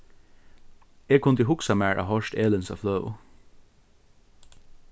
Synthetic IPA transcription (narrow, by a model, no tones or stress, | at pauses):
eːkʰʊnd̪iːhʊksɑmæːɹʔɑ̰hɔʃteːlənsɑ̰flœʊ̰